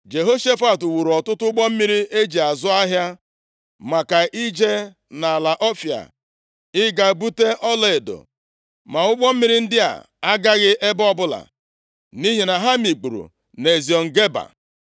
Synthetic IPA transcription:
d͡ʒe˨ɦo˦ʃe˦fa˨tu˨wu˨ɾɔ˨tʊ˦tʊ˦ʊ˦ɡ͡bɔ˦m̩˦mi˦ɾi˦ʔe˦d͡ʒi˨a˨zʊ˦a˦ɦja˦ | ma˨ka˨ʔi˦d͡ʒe˦ | na˨la˨ʔɔ˦fja̰˨ | ɪ˦ɡa˨bu˦te˦ʔɔ˦le˨e˨do̰˨ | ma˨ʊ˦ɡ͡bɔ˦m̩˦mi˦ɾi˦n̩˦dɪ˦a̰˨ | a˦ɡa˦ɣɪ˦ʔe˦bɔ˦bʊ˦la̰˨ | ni˦ɦi˨na˨ɦa˦mi˨k͡pu˨ɾṵ˨ | ne˨zi˨ɔ˨ŋ̩˨ɡe˦ba̰˨

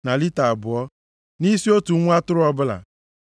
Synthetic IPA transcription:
na˨li˦ta˨a˨bʊ˨ɔ˦ | ni˦si˦o˦tu˨˦ŋʷ˦a˦tʊ˦ɾʊ˦ɔ˦bʊ˦la̰˨

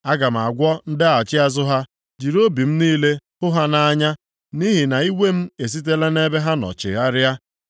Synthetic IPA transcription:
a˦ɡa˨m̩˨a˨ɡʷɔ˦n̩˦dɪ˦a˨t͡ʃɪ˦a˦zʊ˦ɦa˦ | d͡ʒi˨ɾo˦bi˨m̩˦niː˦le˦hʊ˦ɦa˦na˦ɲa˦ | ni˦ɦi˨na˨i˦wʷe˦m̩˦e˨s̬i˦t̬e˦le˦ne˦be˦ɦa˦nɔ̰˨t͡ʃɪ̰˨a˦ɾja˦

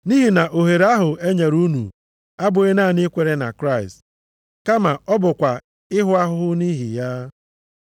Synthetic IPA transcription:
ni˦ɦi˨na˨ʔo˨ɦe˨ɾa˦ɦʊ˨e˦ɲe˨ɾu˦nṵ˨ | a˦bʊ˨e˦na˦˨ne˦kʷe˨ɾe˦na̰˨kɾa˦˨ɪ˨st | ka˦ma˨ɔ˦bʊ˨kʷa˨ | ɪ˦ɦʊ˦a˦ɦʊ˦ɦʊ˦ni˦ɦḭ˨ja˦

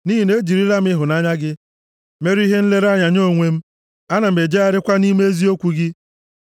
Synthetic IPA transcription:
ni˦ɦi˨ne˦d͡ʒi˨ɾi˦la˦m̩˦ɪ˦ɦʊ˨na˦ɲa˦ɡɪ˦ | me˦ɾi˦ɦe˦n̩˦le˦ɾa˦ɲa˨ɲo˦˨ŋʷe˦m̩˦ | a˦na˨m̩˨e˨d͡ʒe˦a˦ɾɪ˦kʷa˦ni˦me˦e˦zi˦o˦kʷu˨ɡɪ˦

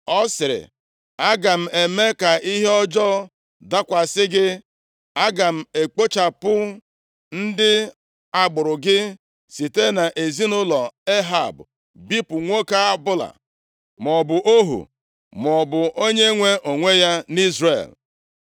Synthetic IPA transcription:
ɔ˦sɪ˨ɾɪ̰˨ | a˦ɡa˨m̩˨e˨me˦ka˨ʔi˦ɦe˦ɔ˦d͡ʒɔ˦ | da˦kʷa˨sɪ˦ɡɪ˦ | a˦ɡa˨m̩˨e˨k͡po˦t͡ʃa˨pʊ˦ | n̩˦dɪ˦ | a˨ɡ͡bʊ˨ɾʊ˨ɡɪ˦ | si˨te˦na˨ʔe˨zi˦nʊ˦lɔ˨e˦ɦa̰˨bʊ˨ | bi˦pʊ˨ŋʷo˦ka˦a˦bʊ˦la̰˨ | m˨ɔ˨bʊ˨ʔo˦ɦṵ˨ | m˨ɔ˨bʊ˨ʔo˦ɲe˦ŋʷe˦ʔo˨ŋʷe˦ja˦ni˦zrḛ˨l

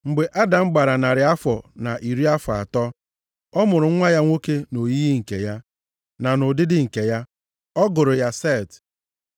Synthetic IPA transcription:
ŋ͡m̩˨ɡ͡be˨ʔa˦da˨ŋ͡m̩˦ɡ͡ba˨ɾa˨na˨ɾɪ˨a˦fɔ˨na˨ʔi˨ɾi˦a˦fa̰˨tɔ˦ | ɔ˦mʊ˨ɾʊ˨ŋ̩˦ŋʷa˦ja˦ŋʷo˦ke˦no˨ji˦i˦ŋ̩˨kḛ˨ja˦ | na˨nʊ˨dɪ˦dɪ˦ŋ̩˨ke˨ja˦ | ɔ˦ɡʊ˨ɾʊ˨ja˦se˦˨t

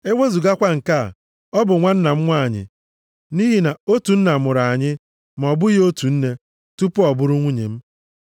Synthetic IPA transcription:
e˦we˦zu˨ɡa˦kʷa˦ŋ̩˨ka̰˦˨ | ɔ˦bʊ˨ŋʷa˦n̩˦na˨m̩˦ŋʷa˦a˨ɲɪ̰˨ | ni˦ɦi˨na˨o˦tu˨n̩˦na˨mʊ˨ɾa˨a˨ɲɪ˦ | ma˨ɔ˨bʊ˦jo˦tu˨n̩˦ne˦ | tu˦pʊ˦ɔ˨bʊ˦ɾʊ˦ŋʷu˦ɲḛ˨m̩˦

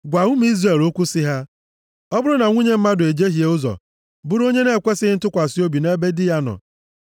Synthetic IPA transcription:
ɡʷa˨ʊ˦m˦i˦zre˨lo˦kʷu˦sɪ˦ɦa˦ | ɔ˦bʊ˦ɾʊ˦na˨ŋʷu˦ɲe˦m̩˦ma˦dʊ˨e˨d͡ʒe˦ɦje˨ʊ˦zɔ̰˨ | bʊ˦ɾo˦ɲe˦ne˦˨kʷe˦sɪ˦ɪ˦n̩˦tʊ˦kʷa˨si˦o˦bi˨ne˦be˦dɪ˦ja˦nɔ̰˨

